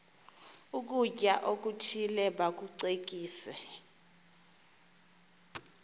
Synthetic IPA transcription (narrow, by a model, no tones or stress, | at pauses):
uk̬ʼuc̬ʼaʔok̬ʼutʰilɛɓak̬uǀek̬ʼiːsɛ